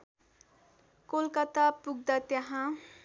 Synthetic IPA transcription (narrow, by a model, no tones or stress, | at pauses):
kolkʌt̪apuɡ̚d̪at̪jaɦã